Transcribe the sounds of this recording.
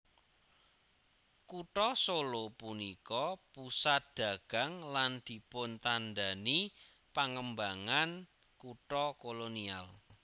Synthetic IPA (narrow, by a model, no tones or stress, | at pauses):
kuʈɔsolopunikɔpusat̪̚d̪̥a̤ɡ̥a̤ŋland̪̥i̤pʊnt̪anɖani | paŋəmbaŋan | kuʈɔkolonial